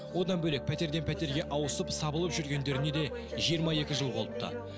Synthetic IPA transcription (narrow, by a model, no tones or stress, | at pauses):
wo̞d̪ɑnbɵle̞k̚pʰæt̪e̞ɾd̪e̞npʰæt̪e̞ɾɡʲe̞ʔɑwəsəpsɑbəlˠəpʒʏɾɡʲe̞nd̪e̞ɾɪne̞d̪e̞ | ʒijəɾmɑe̞kʲɪʒəlˠbolˠəp̚t̪ə̰